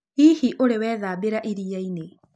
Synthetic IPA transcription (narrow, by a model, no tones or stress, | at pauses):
iːhiʔoɾewɛːðaːbeɾaʔiɾiajne